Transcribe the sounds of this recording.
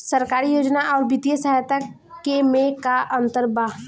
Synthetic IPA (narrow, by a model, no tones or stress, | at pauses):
səɾkaːɾijoːd͡ʒnaʔɔːɾbit̪ijəsəɦajt̪a | kemẽkaʔə̃nt̪əɾbaː